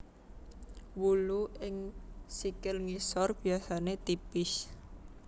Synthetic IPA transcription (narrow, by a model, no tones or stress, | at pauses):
wuluʔɪŋsikɪlŋisɔrb̥i̤asanet̪ipɪs